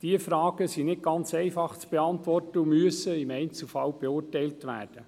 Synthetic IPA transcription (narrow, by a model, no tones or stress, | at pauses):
d̥iəfɾɑːɡ̥əsinɪt̚ɡ̥ɑnt͡sɛɪfɑχt͡sb̥eɑntʋɔrtəumyəsəɪmɛɪnt͡sl̩fɑlb̥eʊːrtɛjltʋæ̰ːrd̥ə